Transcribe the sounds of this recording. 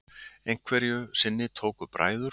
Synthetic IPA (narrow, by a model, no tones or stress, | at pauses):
ejŋ̥kʰvɛɾjʏsɪnːɪt̪ʰoːwkʏpɾʔa̰ːjðʏɾ